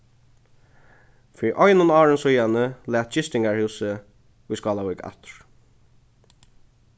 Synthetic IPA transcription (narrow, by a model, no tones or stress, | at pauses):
fiːɾʔɔjnʊnɑːɹənsʊjanəlæːt̪̚t͡ʃɪst̪ɪŋɡaɹhʉːsə | ʊjskɑːlawʏːka̰t̪ɹ̥